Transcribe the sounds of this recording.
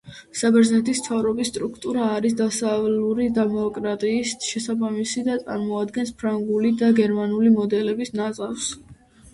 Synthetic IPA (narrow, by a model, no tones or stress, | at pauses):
sabɛɾznɛt̪ʰismt̪ʰavɾɔbisːt̪ʼɾukʰt̪ʼuɾaːɾis̬d̪asavluɾid̪ɛmɔkʼɾat̪ʼiːsʃɛsabamisid̪at̪sʼa̰ɾmɔad̪ɡɛnspʰɾaŋɡulid̪aɡɛɾmanulimɔd̪ɛlɛbisnat̪sʼafs